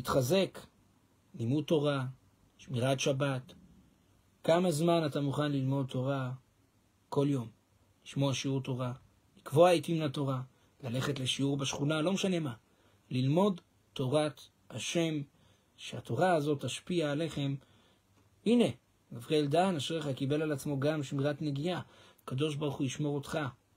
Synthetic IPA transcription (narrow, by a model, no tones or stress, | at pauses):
itχaze̞k | nimut̪o̞ʁa | ʃmiʁatʃabat | kamazmanatamuχanlilmo̞d̚tʰo̞ʁa | ko̞ljo̞m | liʃmo̞aʃiuʁto̞ʁa | likvoaitiminato̞ʁa | lale̞χetle̞ʃiuʁbeʃχunalo̞meʃane̞ma | lilmo̞d | to̞ʁat | haʃe̞m | ʃeato̞ʁaazo̞tːaʃpiaːle̞χe̞m | ine̞ | ɡavʁeldanaʃeeχakibe̞lalat͡smo̞ɡamʃimʁatne̞ɡijaː | kado̞ʃ̬baʁuχujiʃmo̞ʁo̞tχa